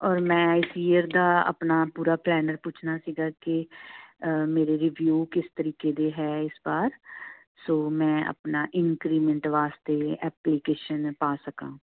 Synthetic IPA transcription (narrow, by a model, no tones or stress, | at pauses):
ɔːɾmɛ̃ːɪsijəɾd̪aːə̰pnaːpuːɾaːplɛːnəɾput͡ʃʰnaːsiːɡaːkɪ | meːɾeːɾɪʋjuːkɪst̪əɾiːkeːd̪eːɦɛːɪsbaːɾ | soːmɛ̃ːə̰pnaːʔɪnkɾiːmə̃ɳʈʋaːst̪eːɛːpliːkeːʃənpaːsəkã̰ː